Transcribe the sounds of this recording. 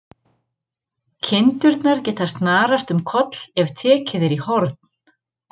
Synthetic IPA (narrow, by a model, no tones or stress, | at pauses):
cʰɪnt̪ʏɾt̪naɾ̥cɛːt̪ast̪naːɾast̪ʏmkʰɔt̪l̥ɛvt̪ʰɛːcɪðɪɾihɔɾt̪n̥